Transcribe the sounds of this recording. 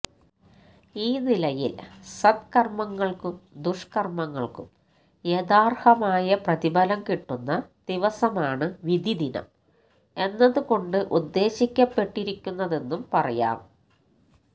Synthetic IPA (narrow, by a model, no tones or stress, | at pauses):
iːnilɐjḭlsɐd̪̚kɐrmɐŋːɐɭkumd̪uʂkɐrmɐŋːɐɭkṵm | jeðaːrhɐmaːjɐprɐðibɐlɐmkiʈːunːɐd̪̥iʋɐsɐmaːɳɨʋid̪ʱid̪inɐ̰m | e̞nːɐðuko̞ɳɖɨʔud̪ːe̞ːɕikʲːɐpːe̞ʈːiɾikʲːunːɐðe̞nːumpɐrɐ̰ja̰ːm